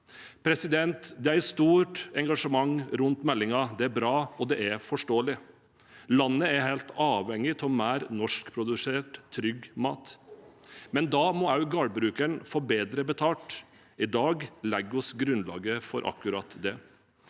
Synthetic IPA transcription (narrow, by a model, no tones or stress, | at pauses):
pʰɾɛsɪd̪ɛnt̪d̪ɛæɾst̪uːʈɛŋɡɑʂəmɑŋɾʉnt̪mɛlːɪŋɑd̪ɛæɾbɾɑːɔd̪ɛʔæɾfɔʂʈoːəlɪ | lɑnːəæɦeɪlt̪ɑːʋɛŋːɪt̪ʰɔmæːɾnɔʂkpʰɾʊd̪ʉseːʈt̪ʰːɾʏɡmɑ̰ːt̪ | mɛnd̪ɑːmɔɑʉɡɑːɽbɾʉːkənfɔɾbeːd̪ɾəbət̪ʰɑːʈ | ɪd̪ɑːɡlɛɡɔsɡɾʉnlɑ̰ːɡəfɔɾʔɑ̰kːʉɾɑ̰t̪d̪ɛ